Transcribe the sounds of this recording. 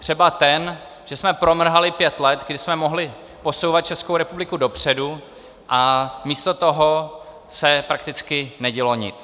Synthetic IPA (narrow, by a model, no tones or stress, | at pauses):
t̪r̝̥ɛbat̪ɛn | ʒ̥ɛsmɛpɾo̞mr̩ɦalɪpjɛt̪lɛt̪ɡdɪsmɛmo̞ɦlɪ | po̞sowvat̪̚t͡ʃɛskowɾɛpublɪkudo̞pr̝̥ɛdu | ʔamiːst̪o̞t̪o̞ɦo̞ | sɛpɾakt̪ɪt͡skɪnɛɟɛlo̞ɲɪ̰t͡s